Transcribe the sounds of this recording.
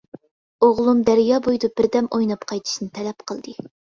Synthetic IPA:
oʁlˠumd̪æɾjɑːbojd̪ub̥ɪɾd̪ɛmojnɑpqʰɑjt̪ʰʃnɨt̪ʰɛlɛpqʰəlˠd̪ɨ

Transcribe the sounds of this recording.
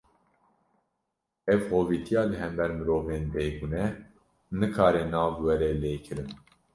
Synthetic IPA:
ɛvhoːviːt̪ʰijɑːlɨɦɛmbɛɾmɨɾoːveːnbeːɡunɛ | nɨkʰɑːɾɛnɑːvwɛɾɛleːkʰɨɾɨn

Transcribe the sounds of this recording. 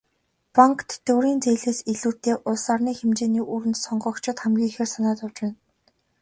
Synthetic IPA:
paŋkʰt̪ːɵwɾiːnt͡seːɮeːseɮuːr̥t̪eːʔʊɮsaːrniːxemt͡ɕeːniːʔuːɾɘ̆nt̪sɔɴɢɞ̆ːkt͡ɕʰɪ̆t̪χæmɡʲiːŋxeːrsanaːt̪ʊwt͡ɕpæːn

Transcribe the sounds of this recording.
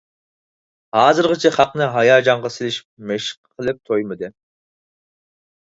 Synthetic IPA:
hɑːzɨɾʁɨt͡ʃʰɛχɑqnɨɦɑjɑːd͡ʒɑŋʁɑsɪlɪʃi̥p̚meʃqʰːəlˠɪp̚t̪ʰojmɨd̪ɨ

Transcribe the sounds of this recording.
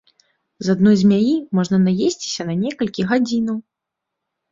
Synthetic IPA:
zad̪nɔjzʲmʲajimɔʐnɐnajesʲt͡sʲi̥sʲɐnɐnʲɛkɐlʲkʲiɣad͡zʲinɐw

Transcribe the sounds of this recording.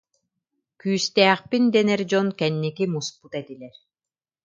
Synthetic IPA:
kyːst̪ɛːχpind̪ɛnɛɾd͡ʑɔnkɛnːikimusput̪ɛt̪ilɛɾ

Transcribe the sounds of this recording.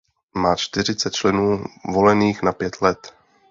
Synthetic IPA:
maːt͡ʃt̪ɪɾ̝ɪt͡sɛt̪t͡ʃlɛnuːvo̞lɛniːxnapjɛt̪lɛt̪

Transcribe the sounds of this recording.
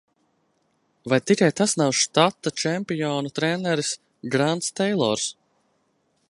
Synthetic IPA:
vajt̪ikajt̪asnawʃt̪at̪ːat͡ʃɛmpijɔːnut̪ɾɛnɛɾis | ɡɾant̪st̪ɛjlˠɔ̰ɾs

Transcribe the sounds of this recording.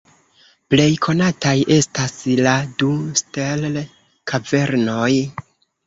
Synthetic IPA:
ple̞jkʰo̞natajʔe̞stasladustel | kʰave̞ɾno̞j

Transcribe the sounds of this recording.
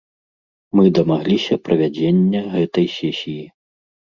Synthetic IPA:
mɨd̪ɐmaɣlʲisʲɐpɾɐvʲad͡zʲenʲːɐɣɛt̪ɐjsʲesʲiji

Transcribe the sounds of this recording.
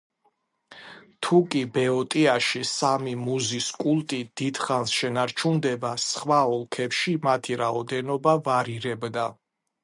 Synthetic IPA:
t̪ʰukʼibɛɔt̪ʼiaʃisamimuziskʼulˠt̪ʼid̪̥id̪̥χansʃɛnaɾt͡ʃʰund̪ɛbasχwaɔlˠkʰɛpʃimat̪ʰiɾaɔd̪ɛnɔbavaɾiɾɛbd̪a

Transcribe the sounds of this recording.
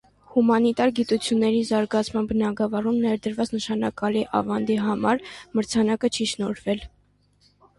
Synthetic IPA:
humɑnit̪ɑɾɡit̪ut͡sʰjunːɛɾizɑɾɡɑt͡sʰmɑnbənɑɡɑvɑrumnɛɾd̪əɾvɑt͡snəʃɑnɑkɑliʔɑ̰vɑnd̪iɦɑmɑɾməɾt͡sʰɑnɑkət͡ʃʰiʃnɔɾvɛl

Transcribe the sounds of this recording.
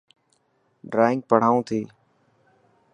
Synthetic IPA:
ɖɾaːɪ̃ŋɡ̚pəɽ̤aːũːt̪ʰeː

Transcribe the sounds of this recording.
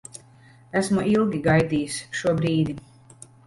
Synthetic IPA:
æsmuʔilˠɡʲiɡajd̪ijsʃuɔbɾiːd̪i

